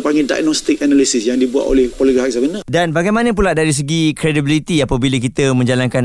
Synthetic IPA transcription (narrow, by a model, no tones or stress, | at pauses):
paŋɡida̰jnɔst̪ik̚analisisjaŋdibua̰tʔo̰lɛhpɔliak̚samənədanbaɡajmanə̃p̬ulaʔdaɾis̬əɡikɾedibilit̪iapəbilək̬it̪əmə̃ɲd͡ʒalankan